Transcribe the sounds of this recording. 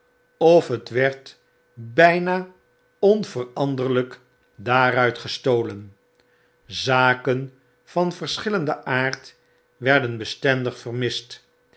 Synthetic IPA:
ɔfɦətʋɛɹt | bɛjnaː | ɔnvərɑndərlək | daːɾœɥtχəstoːlən | zaːkən | v̥ɑnvəɹsχɪləndəʔaːɹt | ʋɛɹdənbəstɛndəχfərmɪst

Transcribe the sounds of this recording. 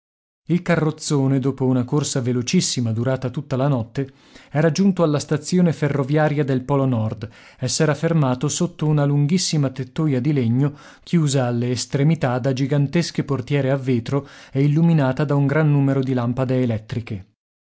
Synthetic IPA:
ilkarːot̪sːoːned̪oːpounakorsavelot͡ʃisːimad̪uɾaːt̪at̪ut̪ːalanɔt̪ːe | ɛːɾad͡ʒunt̪oalːast̪at̪sːjoːneferːovjaːɾjad̪elpɔlonɔrd̪ | ɛsːeɾafːermaːt̪osot̪ːounaluŋɡisːimat̪et̪ːuːjad̪ileɲːo | k̟ʰjuːzaːlːeːst̪ɾemit̪ad̪ad͡ʒiɡant̪esk̟eport̪jɛːɾeavːeːt̪ɾoɛilːuminaːt̪ad̪auŋɡɾanːuːmeɾod̪ilampad̪eːlɛt̪ːɾike

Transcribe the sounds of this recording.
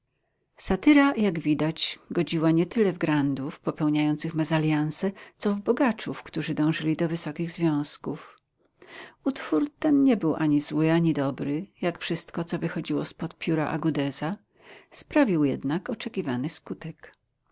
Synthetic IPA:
sat̪ɘɾajaɡvʲid̪at͡ɕɡɔd͡ʑiwaɲɛt̪ɘlɛvɡɾand̪ufpɔpɛwɲajɔnt̪sɘxmazalʲjansɛt̪sɔvbɔɡat͡ʂufkt̪uʐɘd̪ɔ̃w̃ʐɘlʲid̪ɔvɘsɔkʲiɣzvʲjɔ̃w̃skuf | ut̪fuɾt̪ɛnɲɛbɘwʔaɲizwɘaɲid̪ɔbɾɘjakfʂɘst̪kɔt̪sɔvɘxɔd͡ʑiwɔspɔt̪pʲjuɾaʔa̰ɡud̪ɛza | spɾavʲiwjɛd̪nakɔt͡ʂɛkʲivanɘskut̪ɛk

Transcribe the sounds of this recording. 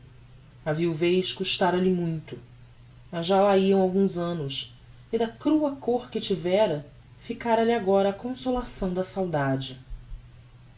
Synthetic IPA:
ɐviwvejʃkuʃt̪aɾɐlɪmũj̃t̪ʊ | mɐzʒalaiɐ̃w̃awɡũzɐ̃nʊs | ɪd̪ɐkɾuɐkoχkɪt͡ʃivɛɾɐ | fikaɾɐliaɡɔɾɐːkõsolasɐ̃w̃d̪ɐsawd̪ad͡ʒɪ

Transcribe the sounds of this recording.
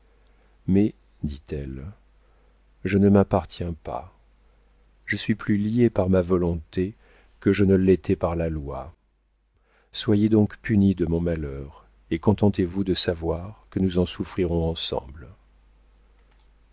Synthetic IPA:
mɛ | d̪it̪ɛl | ʒənəmapaʁt̪jɛ̃pa̰ | ʒ̥əsɥiplyliepaʁmavɔlɔ̃t̪e | kəʒənəlɛt̪ʰɛpaʁlalwa | swajed̪ɔ̃kpynid̪əmɔ̃malœʁ | ekɔ̃t̪ɑ̃t̪evud̪əsavwaʁkənuzɑ̃sufχiʁɔ̃ɑ̃sɑ̰̃bl

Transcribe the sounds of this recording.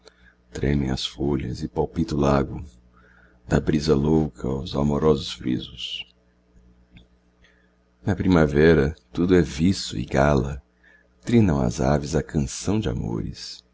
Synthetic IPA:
t̪ɾḛ̃mẽj̃ɐ̰sfoʎɐ̰zɪpawpit̪ʊlaɡʊ | d̪ɐbɾizɐlowkʰɐawzamoɾɔzʊsfɾḭzʊs | nɐpɾimavɛɾɐt̪ud̪ʊɛvisʊ̰ɪ̰ɡalɐ | t̪ɾĩnɐ̃w̃ɐ̰za̰vɪzɐkʰɐ̃sɐ̃w̃d͡ʒɪa̰mo̰ɾɪ̰s

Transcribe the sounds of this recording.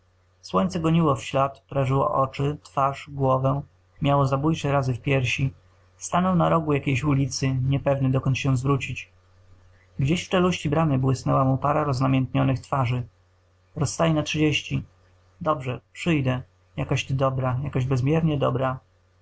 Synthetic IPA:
swɔɲt̪sɛɡɔɲiwɔfɕlat̪pɔɾaʐɘwɔ̰ʔɔt͡ʂɘt̪faʂɡwɔvɛ | mʲjawɔzabujt͡ʂɛɾazɘfpʲjɛɾɕi | st̪anɔwnaɾɔɡujakʲejɕulʲit̪sɘɲɛpɛvnɘd̪ɔkɔnt̪ɕɛ̃zvɾut͡ɕit͡ɕ | ɡd͡ʑeɕft͡ʂɛluɕt͡ɕibɾanɘbwɘsnɛwamupaɾaɾɔznamʲɛnt̪ɲɔnɘxt̪faʐɘ | ɾɔsːt̪ajɛnatʂɘd͡ʑeɕt͡ɕi | d̪ɔbʐɛpʂɘjd̪ɛ | jakaɕd̪ɔbɾajakaʑbɛzmʲjɛɾɲɛd̪ɔ̰bɾa

